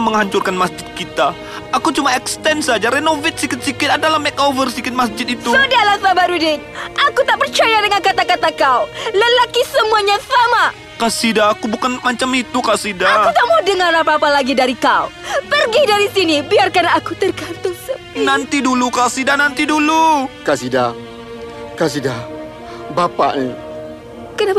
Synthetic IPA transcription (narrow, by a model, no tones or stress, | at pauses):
məŋɦaɲt͡ʃʊrkanmasd͡ʒɪt̪̚kit̪a | akut͡ʃumaɛkst̪ɛnsad͡ʒaɾenovɪt̪̚sikɪt̪̚sikɪt̪adalahmɛk̚ovərsikɪt̪̚masd͡ʒɪt̪̚it̪usadialahsabaʔɾudɪn | ʔakut̪aʔpərt͡ʃajadəŋankat̪akat̪akauləlakisəmuaɲasama | kasidaːkubukanmat͡ʃamit̪ukasidaakut̪aʔmadəŋaɾapapalaɡidaɾikaupərɡidaɾisinibiarkanakut̪ərkant̪ʊŋsəpnant̪idulukasidanant̪idulukasida | kasida | bapa̰ʔni | kənap